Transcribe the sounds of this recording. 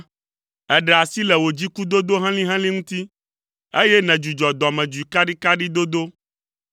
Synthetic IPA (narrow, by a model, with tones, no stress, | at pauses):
ɛ˨ɖɛ˨a˨si˦lɛ˨wo˨d͡ʑi˦ku˦d̪o˦d̪o˦ɦã˦lĩ˦ɦã˦lĩ˦ŋũ˦t̪i˦ | e˦jɛ˦nɛ̃˨d͡ʒu˨d͡ʒɔ˨d̪ɔ˨mɛ̃˨d͡ʒu˨i˨ka˦ɖi˦ka˦ɖi˦d̪o˦d̪o˦